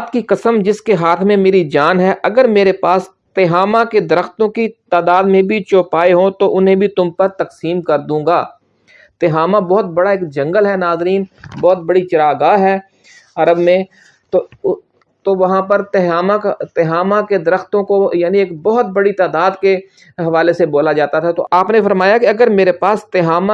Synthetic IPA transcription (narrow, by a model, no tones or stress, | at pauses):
t̪kikɐsəmd͡ʒɪskeɦaːt̪ʰmẽmeːɾid͡ʒaːnɦɛʔɐɡəɾmeːɾepaːs | t̪eːɦaːmaked̪ɐɾəxt̪õkit̪aːd̪aːd̪mẽbʱit͡ʃoːpaːeɦõt̪oʔʊnɦẽbʱit̪ʊmpɐɾt̪ɐksiːmkɐɾd̪ũːɡaː | t̪eːɦaːmabɔːt̪̚bɐɽaeːkd͡ʒɐ̃ŋɡəlɦɛnaːzɾiːnbɔːt̪̚bɐɽit͡ʃɐɾaːɡaːɦɛː | ɐɾəbmẽ | t̪o | t̪oʋɐɦãpəɾt̪aːmat̪eɦaːmãked̪ɐɾəxt̪õkojaːnieːkbɔɦʊt̪bɐɽit̪aːd̪aːd̪ke | ɦɐʋaːleseboːlad͡ʒaːt̪at̪ʰat̪oʔaːpnefɐɾmaːjakeɐɡəɾmeːɾepaːst̪ɪɦaːma